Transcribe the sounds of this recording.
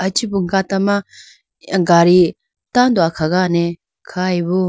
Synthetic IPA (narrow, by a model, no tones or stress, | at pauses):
at͡ʃibuŋkat̪ama | ɡaɾi | t̪and̪uakʰaɡane | kʰaibu